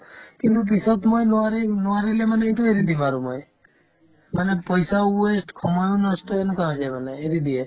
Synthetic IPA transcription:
kint̪up̬isɔt̪mɔjnɔaɾenɔaɾilemaneiʈueɾid̪ibaɾumɔj | manepɔjsauesʈkʰɔmɔjonɔsʈɔenɔkaɦɔd͡ʒajmaneeɾid̪ie

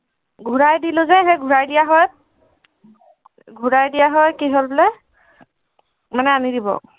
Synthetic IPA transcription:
ɡʱuɹajdilʊzɛɦejɡʱuɹajdijaɦɔj | ɡʱuɹajdijaɦɔjkiɦolblɛ | manɛanidibɔ̰

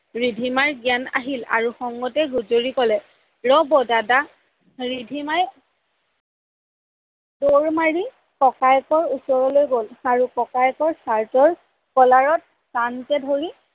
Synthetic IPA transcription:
ɹidʱimaɹɡijana̰ɦila̰ɹuxɔŋɡɔtɛɡuzoɹikɔlɛ | ɹɔbɔdada | ɹidʱimaj | doɹmaɹi | kɔkajkɔɹusɔɹɔlojɡolaɹukɔkajkɔɹsaɹtɔɹ | kɔlaɹɔt̚ | tankɛdʱoɹi

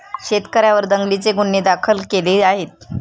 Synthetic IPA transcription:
ɕet̪kəɾjaʋəɾd̪əŋɡlit͡seɡuɳːed̪akʰəlkeleaɦet̪̚

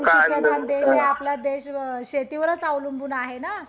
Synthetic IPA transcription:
kaiəd̪and̪eɕɦeapljad̪eɕɕet̪iʋəɾət͡saʋlunbuːnaɦena

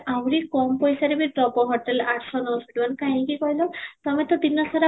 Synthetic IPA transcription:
awɾikɔmpɔjsaɾebipɾɔbɔɦɔʈelaʈʰsɔnɔsiʈimankaɦj̃kikɔjlɔt̪ɔmɛt̪ɔd̪inɔsaɾa

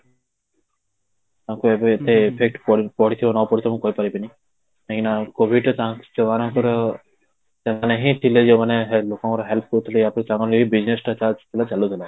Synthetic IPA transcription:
t̪ãŋkuebeet̪eepʰek̚ʈpɔpɔɽit̪ʰibanɔpɔɽit̪ʰɔmũkɔipaɾibini | ẽkinakobʱiɖɔt̪ãkt͡ʃɔbanãŋkɔɾɔ | seaneɦĩʈ̪ʰiled͡ʒemaneɦelokãŋkɔɾɔɦelp̚ʰkɔɾut̪ʰileapit̪ãŋkɔnibid͡ʒnesʈat͡ʃat͡ʃt̪ʰilat͡ʃalut̪ʰila

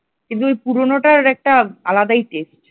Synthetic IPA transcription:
kĩnt̪̬uojpuɾonoʈaɾɛk̚ʈaalad̪ajʈesʈ

